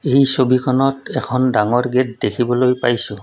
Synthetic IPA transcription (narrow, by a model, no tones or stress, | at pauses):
ejsobikʰɔnɔtɛkʰɔndaŋɔɹɡet̚dekʰibɔlojpajsʊ